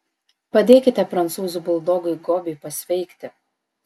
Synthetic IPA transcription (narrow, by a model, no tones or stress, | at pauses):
pɐd̪ʲeːkʲɪt̪ʲɛpɾɐnt̪suːzubʊlˠd̪oːɡʊɪɡoːbʲɪɪpɐsʲʋʲɛɪkʲt̪ʲɪ